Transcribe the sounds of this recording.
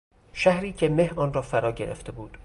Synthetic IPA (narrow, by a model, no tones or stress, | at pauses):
ʃæhɾiːcʰe̞me̞hɒːnrɒːfæɾɒːɟe̞̰ɾʔḛft̪e̞buːd̪̥